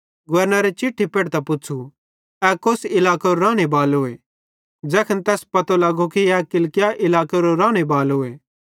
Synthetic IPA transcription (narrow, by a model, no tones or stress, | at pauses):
ɡʊʋɐɾnaɾet͡ʃɪʈʰːipeːɽt̪ɐpʊtːt͡ʃʰu | ɛkosɪlaːkaɾoɾãːɽ̃ebaːlɦoːe | d͡ʒɛːkʰənt̪ɛːspɐt̪olɐɡokiɛkɪlkɪjaʔɪlaːkeɾoɾaːɽ̃ebaːlɦoːeː